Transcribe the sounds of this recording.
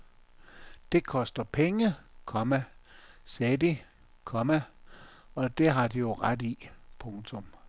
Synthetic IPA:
d̥e̝kʰɒ̽sd̥ɐpʰeŋəkʰɒ̽mæsedi | kʰɒ̽mæ | ɒ̽d̥e̝ɦɑ̈d̥ijo̝ʁad̥ipʰɔŋt͡sʰɔ̽m

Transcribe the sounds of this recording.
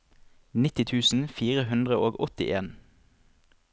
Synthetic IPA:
nɪt̪ɪt̪ʰʉːsn̩fiːʁəɦʉnd̪ʁəʔoːɡɔt̪ɪ̰ʔeːn

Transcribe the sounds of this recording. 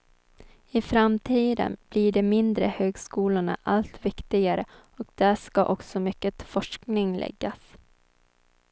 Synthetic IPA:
ɪfɾamt̪ʰiːd̪ə̰nb̥liːɖɛmɪnd̪ɾəhøːɡskuːlʊɳa̰ʔalt̪vɪkt̪ɪɡaɾə | ɔkd̪æʂkaʔɔksɔmʏkːət̪fɔʂknɪŋlʔɛ̰ɡːas

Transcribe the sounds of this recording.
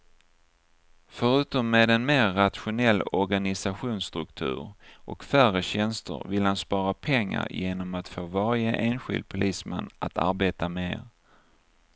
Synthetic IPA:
fœɾʉ̟ːt̪ɔmːeːd̪ɛnmeːɾːat̪ɧʊnɛlːɔɾɡanɪsaɧuːnst̪ɾɵkt̪ʰʉ̟̰ːɾʔɔkfæɾəɕɛnst̪ə̰ɾvɪlhanspɑːɾapʰɛŋːa̰ɾjeːnɔmat̪foːvaɾjəʔeːnɧɪ̰ld̪̚pʰʊlʔiːsmɛ̰nːat̪ʰa̰ɾbeːt̪ameɾ

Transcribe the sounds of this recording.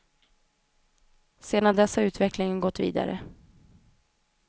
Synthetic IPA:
seːd̪and̪ɛsːaʉ̟ːt̪vɛklɪŋənɡɔt̪ːvḭːd̪a̰ɾə̰

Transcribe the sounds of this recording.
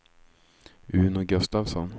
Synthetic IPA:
ʉːnɔɡɵst̪avsɔn

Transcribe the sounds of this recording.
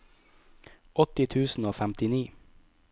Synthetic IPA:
ʔɔt̪ɪt̪ʰʉːsn̩oːfæmt̪ɪniː

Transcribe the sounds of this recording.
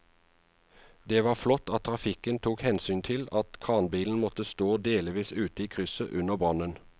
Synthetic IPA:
d̪eːʋɑːflɔt̪ɑt̪t̪ʰːʁɑfɪkənt̪ʰuːkhɛnsyːnt̪ʰɪlɑt̪kʰɑːnbiːln̩mɔt̪əst̪oːd̪eːlɪʋiːsʉːt̪əiːkʰʁʏsə̰ʔʉnəʁbʁɑnən

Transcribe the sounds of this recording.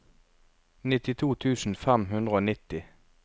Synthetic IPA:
nɪt̪ɪt̪ʰuːt̪ʰʉːsn̩fɛmɦʉnd̪ʁəoːnɪt̪ɪ

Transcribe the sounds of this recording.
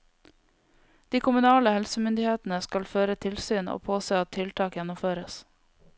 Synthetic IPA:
d̪̥iːkʰʊmʉnɑːləhɛlsəmʏnd̪ɪheːt̪n̩əskɑlføːɾət̪ʰɪlsyːno̰ːpʰoːseːɑt̪ʰɪlt̪ʰɑːkjɛnʊmføːɾəs

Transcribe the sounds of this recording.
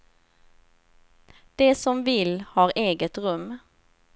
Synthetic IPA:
d̪̥eːsɔmvɪlhɑːɾʔeːɡət̪ʁɵm

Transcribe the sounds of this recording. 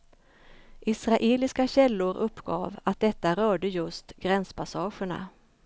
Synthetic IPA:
ʔɪsɾaʔeːlɪskaɕɛlːʊɾɵpːɡɑ̰ːvat̪̚d̪ɛt̪ːaɾœːɖəjɵst̪ɡ̥ɾɛnspʰasɑːɧəɳa̰

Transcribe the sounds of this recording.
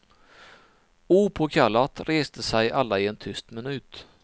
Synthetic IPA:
uːpʰɔkʰalːat̪ɾʔeːst̪əsɛjʔalːaɪɛnt̪ʰʏst̪mɪnʉ̟ːt̪

